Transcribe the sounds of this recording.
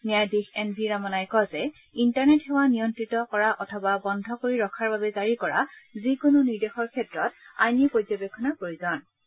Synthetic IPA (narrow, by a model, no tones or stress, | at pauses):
mijajdixɛnbʱiɹamɔnajkɔzɛ | intaɹnɛtɦɛwanijɔntɹitɔkɔɹaʔɔtʰɔbabɔndʱɔkoɹiɹɔkʰaɹbabɛzaɹikɔɹa̰zikʊnoniɹdexɔɹkʰɛtɹɔta̰jnipojd͡ʒɔbekʰːɔnapɹoɹizɔn